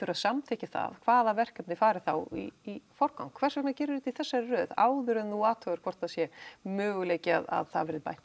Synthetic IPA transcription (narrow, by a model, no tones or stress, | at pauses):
ʏɾaðsamt̪ʰɛhcɪθa̰ðkʰv̥aːðavɛr̥kɛpnɪfaːɾɪθawḭifɔɾka̰wŋkʰvɛr̥vɛknacɛːɾʏɪɾɪt̪iθɛsːarœːða̰ːwðʏɾʏnuaːt̪ʰœɣʏɾ̥kʰvɔr̥t̪aðsjɛmʏːɣʏleːjcɪa̰ða̰ðθa̰ðvɛːɾɪðpa̰jt̪